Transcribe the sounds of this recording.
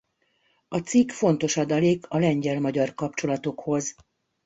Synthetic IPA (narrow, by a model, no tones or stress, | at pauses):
ɒt̪sikfo̞n̪t̪o̞ʃɒd̪ɒleːkʰɒlɛɲɟɛlmɒɟɒrkɒp̚t͡ʃo̞lɒt̪o̞kho̞z